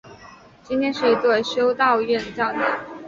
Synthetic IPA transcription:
t͡ɕi˥nt̪ʰjɛ˥nʂɻ̩˥˩i˧˥t̪we˥˩ɪɕjo˥ʊt̪ɑ˥˧ʊɥɛ˥˩nə˩t͡ɕjɑ˥˩ʊt̪ɑ˥˩

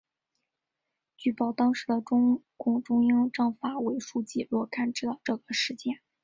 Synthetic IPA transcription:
t͡ɕy˥˩pɑ˨˩ʊt̪ɑ˥ŋʂɻ̩˧˥d̪ə˧ʈ͡ʂʊ˥ŋ | kʊ˨˩ŋʈ͡ʂʊ˥ŋjɑ˥ŋʈ͡ʂɤ˥˩ŋfa˨˩we˧˥ɪʂu˥˧t͡ɕi˥˧lwɔ˥˧kʰa˥˩nʈ͡ʂɻ̩˥˩d̪ɑ˥˧˩ʊʈ͡ʂɤ˥˨˩ɡ̥ə˩ʂɻ̩˧˥t͡ɕjɛ˥˩n

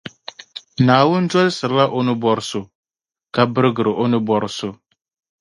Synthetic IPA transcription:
naː˨wʊ˦n˦dɔ˦lɪ˦sɨ˨ɾla˦ʔo˦nɪ˦bɔ˨ɾɪ˨sʊ˨ | ka˦bɨ˦ɾɨ˦ɡɨ˨ɾɪ˨ʔo˦nɪ˦bɔ˨ɾɪ˨sʊ˦

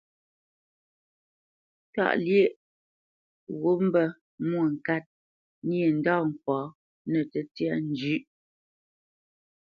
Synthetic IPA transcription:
ta̰˦˨ʔlje˦˨ʔ | ɣo˦m̩˦bə˦ | m˦o˨ŋ̩˨ka˦t̚ | ni˦e˨n̩˨dɔ˦˨ŋ̩˨k͡pɔː˨˦ | nə˨tə˦tja˦n̩˦d͡ʒʉ˦ʔ

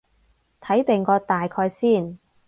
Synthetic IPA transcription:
t̪ʰɐ˨˥jt̪e˨ŋkɔː˧t̪aː˨jkʰɔː˧jsiː˥˩n

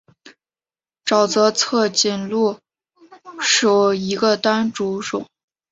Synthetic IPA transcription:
ʈ͡ʂɑ˨˩ʊt͡sɤ˧˥t͡sʰɤ˥˧t͡ɕi˥˩nlu˥˩ | ʂu˨˩i˧˥ɡə˧t̪a˥nʈ͡ʂu˧˥ʈ͡ʂʊ̰˨˩˦ŋ

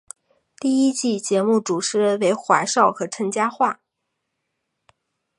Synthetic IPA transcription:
t̪i˥˩i˥t͡ɕi˥˩t͡ɕjɛ˧˥mu˥˩ʈ͡ʂu˨˩ʈ͡ʂʰɻ̩˥we˧˥ɪxwa˧˥ɪʂɑ˥˩ʊxɤ˧˥ʈ͡ʂʰə˧˥ŋt͡ɕja˥xwa˥˩

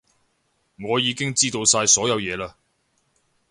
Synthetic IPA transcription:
ŋɔː˨˧jiː˨˧kɪ˥ŋt͡siː˥t̪o˧wsaː˧jsɔː˨˥jɐ˨˧wjɛː˨˧laː˧

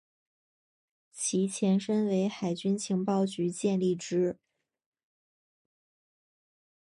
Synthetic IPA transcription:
t͡ɕʰi˧˥t͡ɕʰjɛ˧˥nʂə˥nwe˧˥ɪxa˨˩ɪt͡ɕy˥nt͡ɕʰi˧˥ŋpɑ˥˩ʊt͡ɕy˧˥t͡ɕjɛ˥˧nli˥˩ʈ͡ʂɻ̩˥

